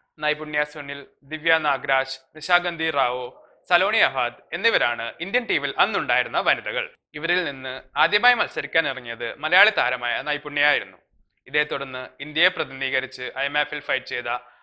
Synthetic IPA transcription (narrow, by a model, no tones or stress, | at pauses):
nɐjpuɳːjasuɳil | d̪iʋjaːnaːɡɾaːɕniɕaːɡɐnd̪ʱiraːʋo | sɐlo̞ːɳiɐʋaːd̪e̞nːiʋɐɾaːɳɨind̪jɐnʈiːʋilʔɐnːuɳɖaːjiɾunːɐʋɐniðɐɣɐ̰ɭ | iʋɐɾilninːɨaːd̪jɐmaːjɐmɐlsɐɾikʲːaːnirɐŋːijɐðɨmɐlɐjaːɭet̪aːɾɐmaːjɐnɐjpuɳːijaːjiɾunːu | iðe̞ːt̪ːuɽɐnːɨind̪jɐjeprɐðiniːɣɐɾit͡ɕːɨʔɐjemeːfelfɐjʈt͡ɕeːjðɐ